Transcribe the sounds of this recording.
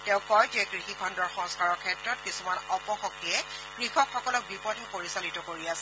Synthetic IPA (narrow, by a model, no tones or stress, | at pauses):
tɛʊ̃kɔjtuɛkɹixikʰɔndɔɹxɔ̃ŋskaɹɔɹkʰɛtɹɔtkisumanɔpɔxɔkːiɛkɹixɔkxɔkɔlɔk̚bipɔdʱɛpoɹisalitɔkoɹiasɛ̥